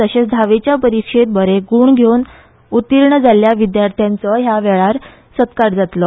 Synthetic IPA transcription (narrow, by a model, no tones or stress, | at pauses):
əɕesd̪ʱaʋet͡ɕjapəɾikʂet̪̚bəɾeɡuːɳɡʱeun | ut̪iɾɳəd͡zaljaʋid̪jaɾt̪ʰjãnt͡səɦjaʋɛɭaɾ | sət̪kaɾd͡zat̪lə